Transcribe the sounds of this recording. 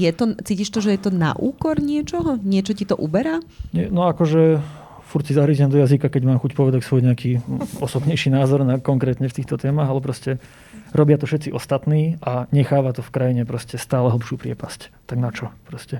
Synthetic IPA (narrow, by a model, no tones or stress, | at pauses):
jɛt̪ɔt͡siːciʃt̪ɔʒɛjɛt̪ɔna̰ʔṵːkɔɾɲɪɛt͡ʃɔɦɔɲɪɛt͡ʃɔcit̪ɔʔubɛɾaːɲɛnɔakɔʒɛ | fuɾsizaɦɾiːzɛmd̪ɔjazikakɛɟmaːmxucpɔʋɛd̪acsʋɔjɲɛakiːɔsɔbɲɛjʃiːnaːzɔɾnakɔŋkɾɛːt̪ɲɛft̪iːxt̪ɔt̪ɛːmaɣalɛpɾɔscɛ | ɾɔbɪat̪ɔfʃɛt̪t͡siʔɔst̪at̪niːʔaɲɛxaːʋat̪ɔfkɾajiɲɛpɾɔscɛst̪aːlɛɦl̩ˠpʃuːpɾɪɛpasct̪aɡnat͡ʃɔpɾɔscɛ